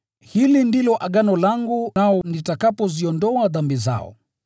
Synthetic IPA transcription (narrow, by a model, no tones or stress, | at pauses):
hilindilɔʔaɠanɔlaŋɡunaɔnitakapɔziɔndɔaðambiza̰ɔ̰